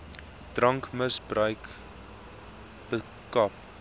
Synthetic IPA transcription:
d̥rɐŋkməsbrœɥk | b̥ə | kɐp

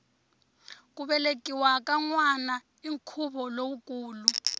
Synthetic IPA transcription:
k̬ʼuɓɛlekʼiwak̬ʼaŋwana | iŋkʰuɓɔlowukʼuːlu

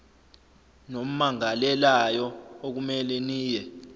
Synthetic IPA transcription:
nom̩maŋalɛlajɔok̬umɛlɛniːjɛ

